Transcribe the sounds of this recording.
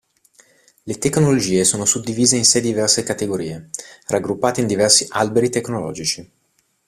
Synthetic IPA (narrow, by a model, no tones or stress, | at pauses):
let̪ekːnolod͡ʒiːesoːnosud̪ːiviːzeinsɛd̪ivɛrsekat̪eɡoɾḭːeraɡːɾupːaːt̪eind̪ivɛrsiʔalbeɾit̪ekːnolɔ̰ːd͡ʒit͡ʃi